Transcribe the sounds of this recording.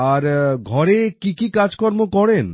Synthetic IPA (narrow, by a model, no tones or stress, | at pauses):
aɾɡʱɔɾekikikad͡ʑkɔɾmokɔɾen